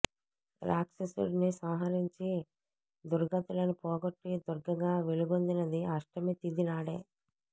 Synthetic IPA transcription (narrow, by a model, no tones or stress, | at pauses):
laːksesṵɽnisɐwɦɐɾiɲt͡ʃi | d̪uɾɡɐt̪ɐlɐnupɔːɡoʈːid̪uɾɡɐɡaːʋeluɡond̪inɐd̪iɐʂʈɐmet̪id̪inaːɽḛː